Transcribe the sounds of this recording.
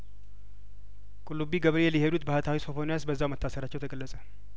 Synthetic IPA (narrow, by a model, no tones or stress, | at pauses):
kʼulːubiɡəβɾelihed̪ut̪bəhat̪ʰawisofonijasbəzːawmət̪ʰːasəɾat͡ʃːɛwt̪ʰəkʼəlːəsʼə